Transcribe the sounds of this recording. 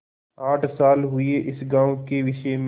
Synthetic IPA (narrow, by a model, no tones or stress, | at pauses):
aːʈʰsaːlɦʊeʔɪsɡãːõkeʋɪʃem